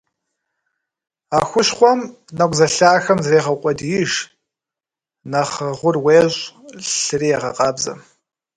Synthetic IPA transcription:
aːxʷʊʃχʷɔm | nɐkʷʼzɐɬaːxɐmzreːʁɐqʷʼɔdjɪʒ | nɐχəʁʷʊrweːʑʼɬɨriɛʁɐ̰qʼɑːbzɐ̰

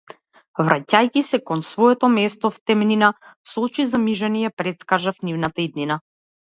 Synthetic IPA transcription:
vɾacajkisɛkɔnsvɔɛt̪ɔmɛst̪ɔft̪ɛmninaslˠut͡ʃizamiʒanijɛpɾɛt̪skaʒafnivnat̪aid̪nina

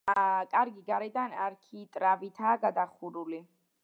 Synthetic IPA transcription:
kʼaɾɡiɡaɾɛd̪anaɾkʰiːt̪ʼɾavit̪ʰaːɡad̪aχuɾuli

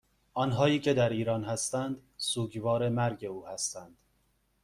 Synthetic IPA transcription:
ʔɒːnɦɒːiːcʰe̞d̪æɾiːɾɒːnhæst̪ænd̪suːɟvɒːɾe̞mæɾɟe̞uːhæst̪ænd̪̥

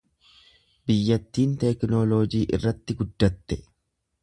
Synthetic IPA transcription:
bɪjːɐt̪ːiːnt̪ɛknoːloːd͡ʒiːʔɪ̰rːɐt̪ːɪɡʊd̪ːɐt̪ːɛ

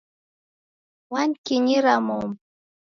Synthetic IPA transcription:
wankiɲiɾamom

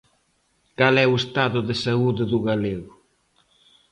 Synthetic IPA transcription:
kalɛuest̪aðʊðesauðeðuɣaleɣʊ

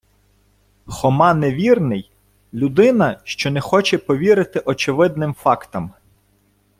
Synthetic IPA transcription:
xɔmɑneʋʲirnɪj | lʲʊd̪ɪnɐʃt͡ʃɔnɛxɔt͡ʃɛpɔʋʲiɾɪt̪ɪʔɔt͡ʃɪʋɪd̪̚nɪmfɑkt̪ɐm

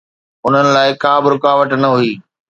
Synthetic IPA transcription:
ʊn̤ənɪ̆laːɪkaːbɪɾʊkaːʋəʈnɐɦuiː

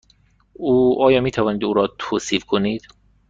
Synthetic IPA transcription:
uːʔɒːjɒːmiːt̪ʰævɒːniːd̪uːɾɒːt̪ʰoːsiːfkʰoniːd̪̥

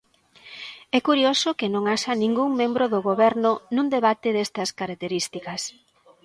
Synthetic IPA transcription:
ɛkuɾijosʊkɪnõŋaʃɐnĩŋɡuŋmẽmbɾʊðʊɣoβɛɾnʊnũnd̪eβat̪ɪðest̪ɐskaɾak̚t̪eɾist̪ikɐs

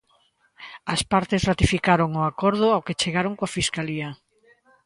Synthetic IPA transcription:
ɐspaɾt̪esrat̪ifikaɾoŋʊakɔɾð̞ʊawket͡ʃeɣaɾoŋkoafiskaliɐ

